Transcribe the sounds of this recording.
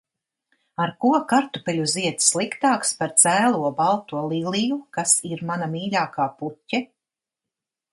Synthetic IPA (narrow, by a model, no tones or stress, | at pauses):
aɾkuɔkaɾt̪upɛlʲuziɛt̪slˠikt̪aːkspaɾt̪zæːlˠuɔbalˠt̪uɔlˠilˠijukasiɾmanamiːlʲaːkaːputʲːɛ